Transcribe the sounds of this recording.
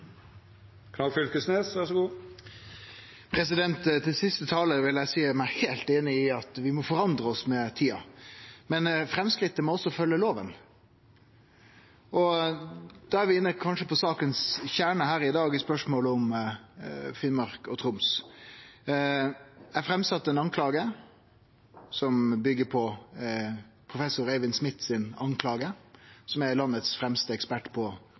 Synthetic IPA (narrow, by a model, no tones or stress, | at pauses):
kʰnɑɡfʏlkəsneːsʋæʁʂɔɡuː | pʰɾɛs̬ɪd̪ɛnt̪t̪ʰːɪsɪst̪ət̪ʰɑːləʋɪljæsiːəmæɪhelt̪eːnɪɪɑt̪ʋɪmɔfɔɾɑnd̪ʁəɔsmɛt̪ʰiːɑ̰mɛnfɾɛmskɾɪt̪ːəmɔɔsːɔfœlːəloːʋən | ɔ | d̪̥ɑːæɾʋɪɪnːəkʰɑnʂəpʰɔsɑːkənsçæːɳəhæːɾɪd̪ɑːɡɪspœʂmoːləɔm | fɪnmɑɾkɔ̰t̪ʰɾʊms | æfɾɛmsɑt̪ːɛnɑnkʰlɑːɡə | sɔmbʏɡːəpʰɔ | pʰɾʊfɛsʊɾɛʋɪnsmɪt̪ːsɪnɑŋkʰlɑːɡəsɔmæɾlɑnːət̪sfɾɛmst̪əɛkspæʈːpʰɔ